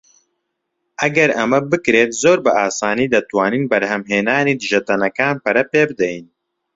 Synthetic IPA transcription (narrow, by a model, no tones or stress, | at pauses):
ʔɐɡɐɾɐmɐbɨkɾeːt̪zoːɾbɨʔaːsaːniːd̪ɐt̪waːniːnbɐɾhɛmɦeːnaːniːd̪ɨʒɐt̪ɐnɐkaːnpɐɾɐpeːbɨd̪ɛjin